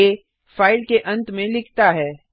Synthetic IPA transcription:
e | faːɪlkeʔɐ̃nt̪mẽlɪkʰt̪aɦɛː

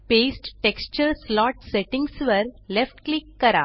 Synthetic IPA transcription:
pesʈʈekst͡ɕəɾslɔʈseʈĩŋɡsʋəɾlefʈklikːəɾa̰

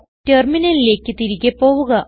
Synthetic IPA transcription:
terminɐlile̞ːkːɨt̪iɾiɣʲepo̞ːʋuɣɐ

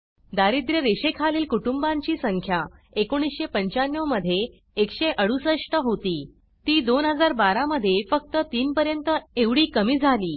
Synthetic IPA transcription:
d̪aɾid̪ɾjəɾeɕekʰaliːlkuʈumbaɲt͡ɕiːsəŋkʰja | ekoɽ̃isɕepəɲt͡ɕanjəwməd̪ʱːjeː | kɕeʔəɽusəʂʈəɦot̪iː | t̪iːd̪onɦəd͡zaɾbaɾaməd̪ʱːjefək̚t̪ət̪iːnpəɾjənt̪əeʋɽiːkəmiːd͡zʱaliː

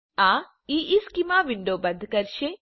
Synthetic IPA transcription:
aː | iːʔiːskimaːʋiɳɖoːbɐnd̪ʱɐkɐɾʃe

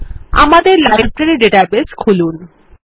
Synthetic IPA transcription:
a̰mad̪eɾlajb̚pɾeneɖeʈabeskʰulun

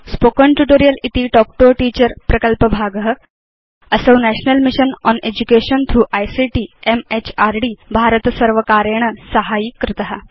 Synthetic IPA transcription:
spokəɳʈuʈoɾijəlit̪iːʈɔk̚ʈoʈiːt͡ɕəɾpɾəkəlpəbʱaːɡəɦə | əsəʋnæɕnəlmiɕənɔned͡ʑukeɕənt̪ʰɾuːʔajsiʈiːemet͡ɕaɾɖiːbʱaɾət̪səɾʋəkaɾeɳ̃əsəɦajikːɾɪt̪əɦa

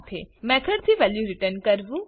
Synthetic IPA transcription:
t̪ʰemɛ̃kʰəɾt̪ʰiʋɛljuɾɪʈənkəɾʋũ

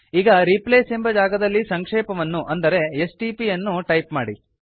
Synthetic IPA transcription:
iːɡɐɾipleːsembɐd͡ʒaːɡɐd̪ɐlːisɐŋkʂeːpɐʋɐnːuʔɐnd̪ɐɾe̞esʈipijɐnːuʈɐjpmaːɽḭ

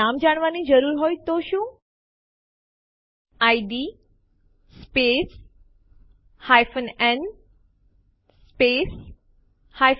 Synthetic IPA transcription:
amd͡ʒaɽ̃ʋanid͡ʒəɾuɾɦojt̪oʃũː | aiɖi | spes | hajfənɛn | pes | hajf

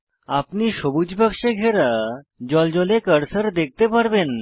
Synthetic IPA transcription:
apniʃobud͡ʑbʱəkʃeɡʱeɾad͡ʑɔld͡ʑɔlekəɾsəɾd̪ek̚ʰt̪epaɾben

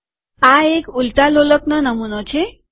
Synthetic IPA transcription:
aekult̪aloləknənəmunɔt͡ɕʰe

